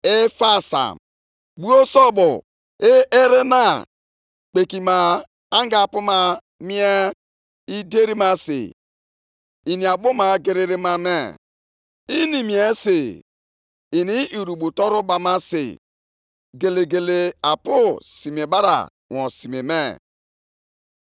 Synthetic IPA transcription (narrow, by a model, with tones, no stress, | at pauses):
e˦fa˦sa̰˨m | ɡ͡bu˦o˦sɔ˦bo˨ | e˦e˦ɾe˦na˦ | k͡pe˨ki˨ma˨ | a˦ŋ˦ɡa˨pu˦ma˦ | mi˦e˦ | i˦de˦ɾi˦ma˦sɪ̰˨ | i˨ni˨a˨bʊ˦ma˨ɡe˦ɾe˦ɾi˦ma˦me˦ | i˦ni˨mi˨e˦se˨ | i˨ni˦i˨ɾu˨ɓu˨tɔ˦ɾʊ˦ba˨ma˦sɪ̰˨ | ɡe˨le˨ɡe˨le˨a˨pʊ˦si˨m˨e˨ba˦ɾa̰˨ | wɔ̃˨si˨me˨me˦˨